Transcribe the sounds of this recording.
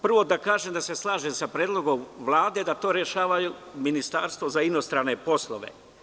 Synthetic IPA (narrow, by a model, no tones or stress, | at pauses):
pr̩ʋo̞d̪akaːʒemd̪ase̞slˠaːʒemsapɾeːd̪lˠo̞ɡo̞mʋlˠaːd̪e̞d̪at̪o̞ːɾeʃaːʋajuminist̪aːɾst̪ʋozaino̞st̪ɾaːne̞po̞slˠoʋḛ